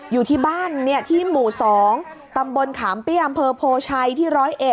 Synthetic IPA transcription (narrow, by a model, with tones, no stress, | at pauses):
juː˨˩t̪ʰiː˥˩baː˥˩nːi˦˥˩ɐt̪ʰiː˥˩muː˨˩sɔː˩˦ŋ | t̪a˧mbo˧nkʰaː˩˦mpi˥˩ʔa˧mpʰɤː˧pʰoː˧t͡ɕʰa˧jt̪ʰiː˥˩ɾɔː˦˥jʔe˨˩t̚